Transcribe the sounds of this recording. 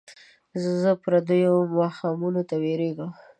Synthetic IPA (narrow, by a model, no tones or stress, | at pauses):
zzəpɾad̪əjomɑxɑmunot̪aweɾeɡəm